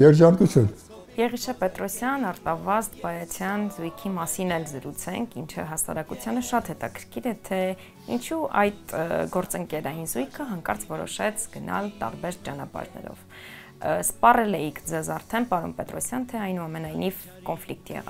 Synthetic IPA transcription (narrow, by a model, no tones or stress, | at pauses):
jɛɾd͡ʒɑnk̪ut͡sʰjun | jɛʁiʃɑpɛt̪ɾɔsjɑnɑɾt̪ɑvɑst̪bɑjɑt͡sʰjɑnzujkʰimɑsinɛlzəɾut͡sʰɛŋkʰint͡ʃʰə̰ɦɑsɑ̰ɾɑkut͡sʰjɑnəʃɑt̪hɛt̪ɑkʰəɾkʰiɾɛt̪ʰɛ | ḭnt͡ʃʰuɑjd̪ɡɔɾt͡səŋkɛɾɑjinzujkʰəɦɑŋkɑɾt͡sʰvɔɾɔ̰ʃɛt͡sʰɡənʔɑ̰lt̪ɑ̰ɾbɛɾt͡ʃɑnɑ̰pɑ̰ɾnɛ̰ɾɔ̰v | spɑrɛlɛjikʰd͡zɛzɑɾt̪ʰɛnpɑɾɔ̰mpɛt̪ɾɔsjɑnt̪ʰɛɑjnuɑmɛnɑjniv | kɔnflik̚t̪jɛ̰ʁɑ̰